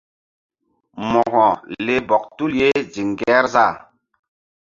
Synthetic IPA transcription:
mɔ˨ɣɔ̃˨le˦bɔ˨k̚tu˦lje˦d͡ʒi˨ŋɡɛ˦ɾza˦˨

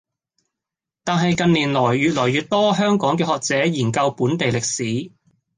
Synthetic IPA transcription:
t̪aː˨nɦɐ˨jkɐ˨˧nliː˨˩nlɔː˨˩jɥyː˨t̚lɔː˨˩jyː˨t̚t̪ɔː˥ɦœː˥ŋkɔː˨˥ŋkɛː˧hɔː˨k̚t͡sɛː˨˥jiː˨˩nkɐ˧wpuː˨˥nt̪e˨jlɪ˨k̚siː˨˥

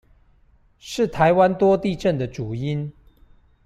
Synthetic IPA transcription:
ʂɻ̩˥˨t̪ʰa˧˦ɪwa˦nt̪wɔ˥t̪i˥˨ʈ͡ʂə˥˨nd̪ə˩ʈ͡ʂu˨˩i˦n

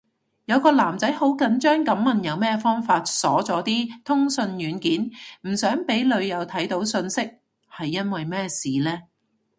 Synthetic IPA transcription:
jɐ˨˧wkɔː˧laː˨˩mt͡sɐ˨˥jho˨˥wkɐ˨˥nt͡ʃœː˥ŋkɐ˨˥mːɐ˨njɐ˨˧wmɛː˥fɔː˥ŋfaː˧t̚sɔː˨˥t͡sɔː˨˥t̪iː˥t̪ʰʊ˥ŋsɵ˧njyː˨˧nkiː˨˥nm̩˨˩sœː˨˥ŋpe˨˥jlɵ˨˧ɥjɐ˨˧wt̪ʰɐ˨˥jt̪o˨˥wsɵ˧nsɪ˥k̚ | hɐ˨jːɐ˥nwɐ˨jmɛː˥siː˨lɛː˥

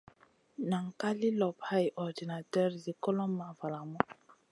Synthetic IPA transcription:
na˨ŋ̩˨ka˦li˦lɔ˨pha˦jʔɔ˨di˨na˨tɔ˦ɾzi˨kɔ˦lɔ˦m̩ː˦a˨va˨la˨mɔ˦

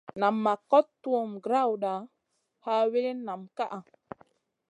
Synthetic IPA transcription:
na˨mːa˨kɔ˦tːu˦o˨mɡɾa˦wɗa˨ | ha˦we˦ɾe˦na˨mka˦ʔa˨

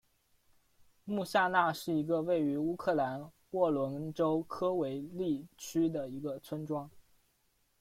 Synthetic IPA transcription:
mu˥˧ɕa˥˧na˥˧ʂɻ̩˥˩i˧˥ɡə˧we˥˩ɪy˧˥u˥kʰɤ˥˩la˧˥n | wɔ˥˩lwə˧˥nʈ͡ʂo˥ʊkʰɤ˥we˧˥ɪli˥˩t͡ɕʰy˥d̪ə˨i˧˥ɡə˧t͡sʰwə˥nʈ͡ʂwɑ˥ŋ

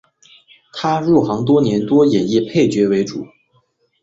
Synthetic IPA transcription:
t̪ʰa˥ɻu˥˩xɑ˧˥ŋt̪̬wɔ˥njɛ˧˥nt̪wɔ˥jɛ˨˩ji˥˩pʰe˥˩ɪt͡ɕɥɛ˧˥we˧˥ɪʈ͡ʂṵ˨˩˦

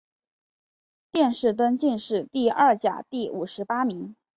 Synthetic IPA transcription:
t̪jɛ˥˧nʂɻ̩˥˩t̪̬wə˥nt͡ɕi˥˧nʂɻ̩˥˧t̪i˥˧ɐ˞˥˩t͡ɕja̰˨˩t̪i˥˩u˨˩ʂɻ̩˧˥pa˥mi˧˥ŋ

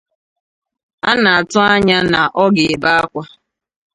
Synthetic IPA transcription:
a˦na˨a˨tʊ˦a˦ɲa˦na˨ʔɔ˦ɡɪ˨ɪ˨ba˦a˦kʷa˦

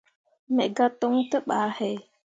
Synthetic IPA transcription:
mɛ˨ʔɡa˦to˦ŋtə˦ɓaː˨˦hɛ˨˦

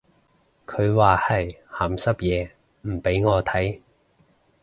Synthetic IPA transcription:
kʰɵ˨˧ɥwaː˨hɐ˨jhaː˨˩msɐ˥p̚jɛː˨˧ | m̩˨˩pe˨˥jŋɔː˨˧t̪ʰɐ˨˥j

